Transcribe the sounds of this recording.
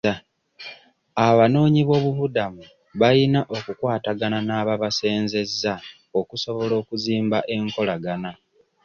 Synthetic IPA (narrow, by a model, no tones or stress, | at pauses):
aβano̞ːɲiβo̞ːβuβudamu | βajinaʔo̞kukwaːtaɡananaːβaβase̞ːnze̞zːa | o̞kuso̞βo̞lo̞ːkuziːmbaʔe̞ŋko̞laɡana